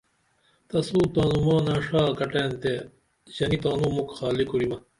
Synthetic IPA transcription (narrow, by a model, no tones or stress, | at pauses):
t̪ɐsuːt̪aːnumaːnaːʂaːkɐʈeːnt̪e | ʑɐnit̪aːnumukxaːlikuɾimɐ